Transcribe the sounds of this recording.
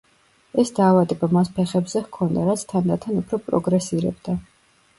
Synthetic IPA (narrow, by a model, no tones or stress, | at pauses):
ɛsd̪aːvad̪ɛbamaspʰɛχɛbzɛhkʰɔnd̪aɾat̪sʰt̪ʰand̪at̪ʰanupʰɾɔpʼɾɔ̰ɡɾɛsiɾɛ̰bd̪a